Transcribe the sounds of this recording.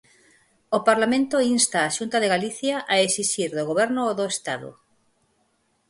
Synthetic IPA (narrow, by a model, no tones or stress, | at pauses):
opaɾlamẽnt̪oinst̪aːʃunt̪aðeɣaliθjaʔaesiʃiɾðoɣoβ̞ɛɾnooðoest̪aðo̰